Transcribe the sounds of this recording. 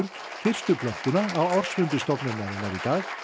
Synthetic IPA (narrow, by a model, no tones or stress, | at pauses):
ɾt̪ | fɪr̥st̪ʏpʰlœht̪ʏnaːwawr̥svʏmpɪst̪ɔpnʏmnaðɪnaɾit̪aːx